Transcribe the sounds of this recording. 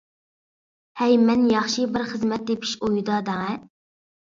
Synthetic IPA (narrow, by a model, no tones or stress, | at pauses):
hɛjmɛnjɑχʃibɪɾχəzmɛt̪̚d̪epʰi̥ʃojud̪ɑd̪ɑŋɛ